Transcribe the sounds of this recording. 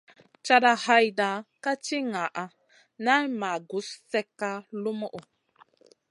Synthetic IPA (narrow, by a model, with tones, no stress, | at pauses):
t͡ʃa˦da˦ha˦jda˨˦ka˦t͡ʃi˦ŋa˨ʔa˦ | na˦jma˨ɡu˨˦sːɛ˦kːa˦lu˦mo˦ʔu˨